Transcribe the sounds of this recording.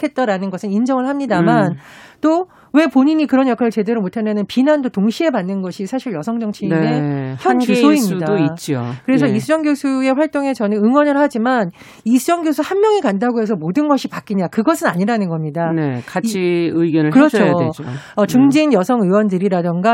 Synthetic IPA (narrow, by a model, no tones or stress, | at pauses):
kʰe̞t̚t͈aɾanɯnɡʌsʰɯnind͡ʑʌŋɯɭhamɲidamant͈o | we̞poɲiɲikɯɾʌnjʌkʰaɾɯɭt͡ɕe̞deɾomotʰanenɯnpinandotoŋɕʰie̞panːɯnɡʌɕʰisʰaɕʰiɭjʌsʰʌŋd͡ʑʌŋt͡ɕʰineçjʌnusʰoimɲidait͡ɕ͈iokɯɾe̞sʰʌisʰud͡ʑʌŋɡjosʰue̞ɸwaɭt͈oŋe̞sʌnɯnɯŋwʌnɯɭhad͡ʑiman | isʰud͡ʑʌŋɡjosʰuhanmjʌŋikandaɡoɦe̞s̬ʰʌmodɯnɡʌɕʰipak͈iɲakɯɡʌsʰɯnaɲiɾanɯnɡʌmɲidanekat͡ɕʰiɯiɡjʌnɯɭkɯɾʌt͡ɕʰoed͡ʑoʌt͡ɕuŋd͡ʑinjʌsʰʌŋɯwʌndɯɾiɾadɯŋɡa